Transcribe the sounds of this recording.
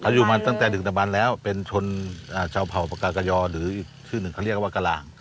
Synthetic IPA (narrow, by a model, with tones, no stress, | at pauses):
kʰa˧˩wjuː˨˩maː˧t̪a˥˩ŋt̪ɛː˨˩dɯ˨˩na˨˩ba˧nlɛː˦˥wpe˧nt͡ɕʰo˧nʔaː˨˩t͡ɕʰaː˧wpʰa˨˩wpa˧kaː˧ka˧jɔː˧ɾɯː˩˦ʔiː˨˩k̚t͡ɕʰɯː˥˩nɯ˨˩ŋkʰa˧˩˧li˥˩ək̚waː˧˩ka˧laː˨˩ŋ